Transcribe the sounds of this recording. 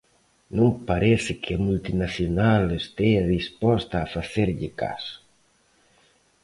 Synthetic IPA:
nõŋpaɾɛθɪkʰɪamult̪inaθjonalest̪eaðispɔst̪aːfaθeɾʎɪka̰s

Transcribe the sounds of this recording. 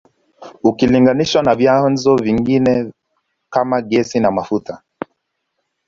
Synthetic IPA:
ukiliŋɡaniʃwanavjanzɔviŋɡinɛ | kamaɡɛsinamafuta

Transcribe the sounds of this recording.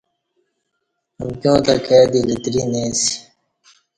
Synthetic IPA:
ɐmkjõːt̪akeːd̪ilit̪ɾinẽːsi̥

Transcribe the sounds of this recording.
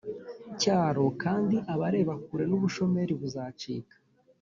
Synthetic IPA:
caːɾo̞kaːndiʔaβaɾe̞ːβakuɾe̞nuβuʃo̞me̞ɾiβuzaːt͡ʃḭːkḁ

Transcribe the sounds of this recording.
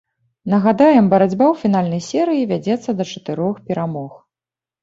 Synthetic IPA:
nɐɣad̪ajɛmbɐɾad͡zʲbawfʲinalʲnɐjsʲɛɾɨjivʲad͡zʲɛt̪sːɐd̪ɐt͡ʂɐ̥t̪ɨɾɔxpʲɛɾamɔx

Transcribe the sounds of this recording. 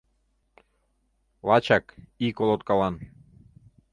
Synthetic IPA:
lˠɑt͡ɕɑkikolˠot̪̚kɑlɑn

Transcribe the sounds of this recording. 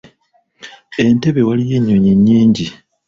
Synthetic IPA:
e̞nte̞βe̞walije̞ɲːo̞ɲeɲːiːɲɟi

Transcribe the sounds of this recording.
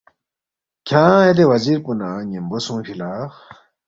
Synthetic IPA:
kʰãːed̪̬ewaziɾpunaɲimbosũŋpʰila

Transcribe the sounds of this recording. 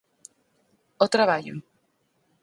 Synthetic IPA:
ot̪ɾaβaʎo̰

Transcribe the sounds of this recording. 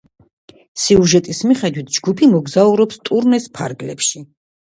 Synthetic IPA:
siuʒɛt̪ʼismiχɛd̪wit̪ʰd͡ʒɡupʰimɔɡzauɾɔpst̪ʼuɾnɛspʰa̰ɾɡlɛ̰pʰʃi

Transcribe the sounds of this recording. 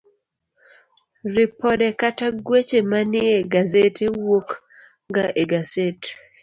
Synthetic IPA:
rɪpʰɔdɛkataɡwet͡ʃemanɪeɡazetewok | ŋɡaʔeɡazete̥

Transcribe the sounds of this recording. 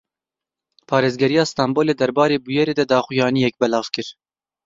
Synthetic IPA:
pʰɑːɾeːzɡɛɾijɑːst̪ɑːmboːleːd̪ɛɾbɑːɾeːbujɛɾeːd̪ɛd̪ɑːχujɑːnijɛk̚bɛlɑːv̥kɨɾ

